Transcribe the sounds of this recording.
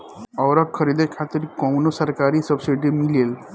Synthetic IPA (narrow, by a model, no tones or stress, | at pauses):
əwɾəkkʰːəɾid̪ʱekʰat̪iɾkɔwnosəɾkaɾiːsəbsiɖimilel